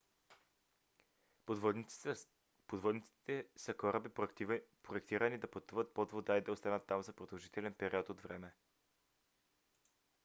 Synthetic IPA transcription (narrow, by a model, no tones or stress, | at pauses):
pod̪vɔd̪nit̪si̥t̪ɛsəkɔɾəbipɾoɛkt̪iɾənid̪ɐpət̪uvət̪̚pod̪vod̪aid̪ɐost̪anət̪ːamzɐpɾod̪ɐlˠʒit̪ɛlɛnpɛɾiɔt̪od̪vɾɛmɛ